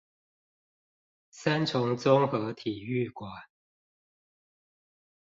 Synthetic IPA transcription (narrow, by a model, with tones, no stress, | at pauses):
sa˦nt͡sʰʊ˧˥ŋt͡sʊ˥ŋxɤ˧˦t̪ʰi˨˩y˥˩kwa˨˩˦n